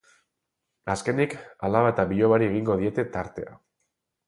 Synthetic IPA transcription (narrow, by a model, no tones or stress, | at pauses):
aske̞nikalaβat̪aβiʎo̞βaɾie̞ɣ̞iŋɡo̞ð̞ie̞t̪e̞t̪aɾt̪e̞a